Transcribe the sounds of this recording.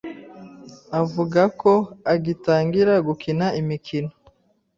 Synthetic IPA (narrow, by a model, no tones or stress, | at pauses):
avuɡako̞aɡitaːŋɡiɾaɡukinaimikʰino